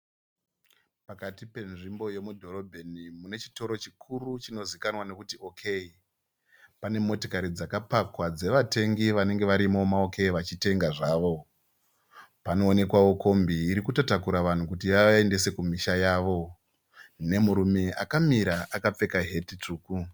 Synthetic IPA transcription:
pakatipe̞nʐimbo̞je̞mudʱo̞ɾo̞bʱe̞nimune̞t͡ʃi̥to̞ɾo̞t͡ʃikʰurut͡ʃino̞zikanwane̞kutio̞kʰei | pane̞mo̞tokaɾid͡zakapakwad͡ze̞ʋate̞ŋɡiʋane̞ŋɡe̞ʋaɾimo̞maoke̞iʋat͡ʃite̞ŋɡaʐaːʋo̞ | pano̞ːne̞kwaʋo̞ko̞mbiːɾikutotakuɾaʋan̤ukutijaende̞se̞kumiʃajaːʋo̞ | ne̞muɾume̞ʔakamiɾaʔakap͡fe̞kaɦe̞tit͡ʂuːku

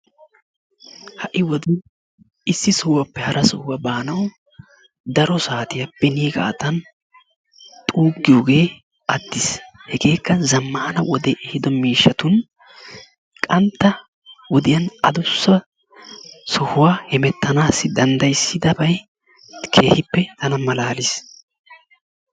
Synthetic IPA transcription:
hɐʔɪwɔd̪ɪ | ɪsːɪsɔhʊwɐpːɛhɐɾʔɐsɔhʊwabaːnɐw | d̪ɐɾɔsaːt̪ɪjɐpːɛniːɡʼa̰ːt̪ɐn | t̪ʼuːɡɪjoːɡe̞ː | ɐd̪ːɪshɛɡe̞ːkːɐzɐmːaːnɐwɔd̪ɛʔɛhɪd̪ɔmiːʃːɐt̪ʊn | kʼɐnt̪ːɐ | wɔd̪ɪjɐnɐ̰d̪ʊsːɐ | sɔhʊwaːhɛmɛt̪ːɐnaːsːɪd̪ɐnd̪ɐjsːɪd̪ɐbɐj | kʰe̞ːhɪpːɛt̪ɐnɐmɐlaːlɪs

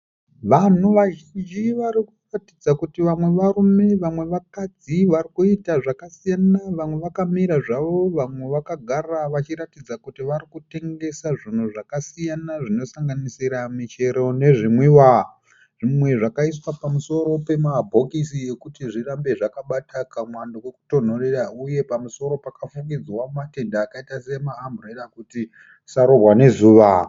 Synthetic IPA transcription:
ʋan̤uʋaʒind͡ʒiʋaɾikuratid͡zakutiʋamwe̞ʋaɾume̞ʋamwe̞ʋakad͡ziʋarikuitaʐakasijanaʋamwe̞ʋakamiɾaʐaʋo̞ʋamwe̞ʋakaɡʱaraʋat͡ʃiɾatid͡zakutiʋaɾikute̞ŋɡe̞saʐin̤uʐakasijanaʐino̞saŋɡanisiɾamit͡ʃe̞ɾo̞ne̞ʐimwiwa | ʐ̥imwe̞ʐakais̬wapamuso̞ɾo̞pe̞mabʱo̞kisie̞kutiʐirambe̞ʐakaɓatʰakamwandowe̞ku̥ton̤o̞rerauje̞pamuso̞ɾo̞pakafuŋɡid͡zwamate̞ndaːkaitase̞maːmbureɾakuti | saɾo̞rwane̞zuːʋa

